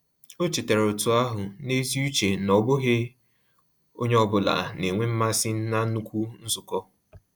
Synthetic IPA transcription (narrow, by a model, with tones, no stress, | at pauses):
o˦t͡ʃi˨te˨ɾo˨tu˨a˦ɦʊ˨ne˦zi˦u˦t͡ʃe˨nɔ˨bʊ˦ɦe˦ | o˦ɲe˦ɔ˦bʊ˨la̰˨ne˨ŋʷe˦m̩˦ma˦sɪ˦n̩˦na˦nu˦kʷu˦n̩˦zʊ˨kɔ˦